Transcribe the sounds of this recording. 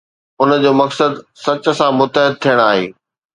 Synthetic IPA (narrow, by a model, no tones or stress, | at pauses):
ʊnd͡ʑoːmɐksəd̪sɐt͡ɕə̆sãmʊt̪əɦɪd̪̚t̪ʰijəɽ̃aːɦḛː